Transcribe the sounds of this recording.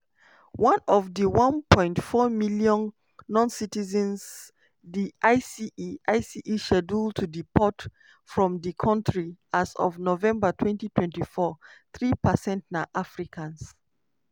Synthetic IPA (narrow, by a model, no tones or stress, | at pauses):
wãnɔvðəwãnpʰɔ̃ɪ̃ntfɔmiljɔ̃nː | ɔ̃nsitizə̃ns | diʔaɪsiiʔaɪsiʔiʃɛdultʰudipʰɔt | fɹɔ̃mdikʰãntɹiazɔ̰vnovɛ̃mbatʰwɛ̃ntitʰwɛ̃ntifɔθɹipəsɛ̃ntnaʔafɹikʰãns